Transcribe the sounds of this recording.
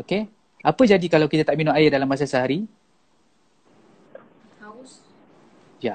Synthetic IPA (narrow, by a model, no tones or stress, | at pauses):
oke | apəd͡ʒadikalawkit̪at̪aʔminʊʔajɪdalamːas̬asəɦaɾi | ja